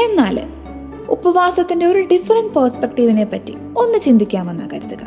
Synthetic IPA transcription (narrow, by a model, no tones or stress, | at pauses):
e̞nːaːl | upɐʋaːsɐt̪ːinde̞o̞ɾuɖifɐrɐɳɖpɐːrspekʈiʋine̞pːɐtːḭ | o̞nːɨt͡ɕind̪ʱikʲːaːme̞nːa̰ːkɐɾuðuɣɐ